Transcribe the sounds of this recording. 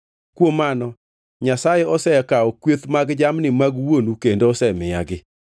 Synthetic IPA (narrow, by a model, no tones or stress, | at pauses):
kwomanɔ | ɲasajɛɔsɛkaɔkwet̪maɡd͡ʒamnɪmaɡwonukendoːsɛmɪja̰ɡɪ